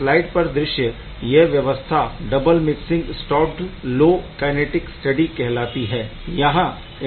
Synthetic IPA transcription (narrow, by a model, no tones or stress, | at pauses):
laːɪɖpɐɾd̪ɾɪʃjə | jeʋjɐʋəst̪ʰaɖɐbəlmɪksɪ̃ŋɡsʈɔːʈloːkɛːneːʈɪksʈɐɖikɛɦlaːt̪iɦɛːjɐɦã | ɪ